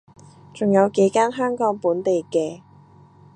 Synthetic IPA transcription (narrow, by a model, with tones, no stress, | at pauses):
t͡sʊ˨ŋjɐ˨˧wke˨˥jkaː˥nɦœː˥ŋkɔː˨˥ŋpuː˨˥nt̪e˨jkɛː˧